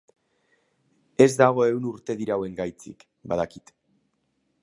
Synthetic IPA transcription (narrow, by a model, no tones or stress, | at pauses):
e̞zd̪aɣ̞o̞e̞wnuɾt̪e̞ðiɾawe̞ŋɡajt͡sḭk | bað̞akit̪